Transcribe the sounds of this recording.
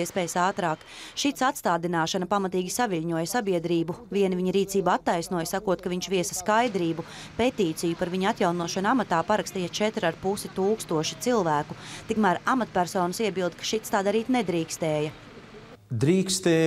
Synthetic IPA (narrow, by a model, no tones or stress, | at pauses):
iɛspɛːjsaːt̪ɾaːkʃit̪sat̪st̪aːd̪inaːʃanɐpamat̪iːɡʲisaviʎʲɲuɔjsabiɛd̪ɾiːbuviɛniviɲiɾiːt̪siːbaat̪ːajsnuɔjsakuɔt̪̚kaviɲʃʋiɛsɐ̥skajd̪ɾiːbu | pet̪iːt̪sijupaɾviɲat̪jawnuɔʃanamat̪aːpaɾakst̪iːjat͡ʃɛt̪ɾaɾpusit̪uːkst̪uɔʃi̥t̪silˠvæːkut̪ikmæɾamat̪̚pʲæɾsɔːnɐsiɛbilˠd̪kḁʃit̪st̪aːd̪aɾiːt̪nɛd̪ɾiːkst̪ɛːjɐ | d̪ɾiːkst̪eː